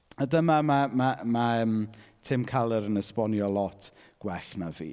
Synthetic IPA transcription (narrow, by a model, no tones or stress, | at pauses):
adəmamamamaəmtʰɪmkʰalˠəɾənəspɔnjɔlˠɔtʰ | ɡ̥wɛɬnavḭː